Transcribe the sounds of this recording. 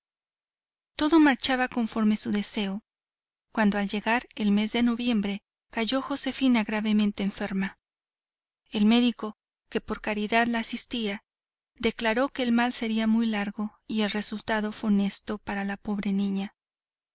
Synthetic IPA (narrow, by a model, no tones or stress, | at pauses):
t̪o̞ðo̞maɾt͡ʃaβako̞ɱfo̞ɾme̞suðe̞se̞o | kwand̪o̞alɟe̞ɣaɾe̞lme̞zðe̞no̞βje̞mbɾe̞ | kaʝo̞xo̞se̞finaɣɾaβe̞mẽ̞nt̪e̞ːɱfe̞ɾma | e̞lme̞ðiko̞ | ke̞po̞ɾkaɾiðaðlaːsist̪ia | ðe̞klaɾo̞ke̞ːlmalse̞ɾiamujlaɾɣo̞ie̞lre̞sult̪aðo̞fwene̞st̪o̞paɾalapo̞βɾe̞nĩɲa